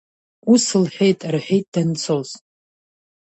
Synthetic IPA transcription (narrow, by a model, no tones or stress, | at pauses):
usɨlħʷᶣejtʼarħʷᶣejt̚ʼd̥anɨt͡sʰoz